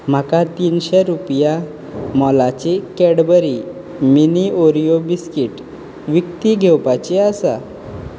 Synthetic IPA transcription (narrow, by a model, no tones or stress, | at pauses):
m̤akat̪iːnɕeɾupja | mɔlat͡ɕekɛɽbəɾi | minioɾijobiskiʈ | ʋikt̪iɡʱɛwpat͡ɕeasa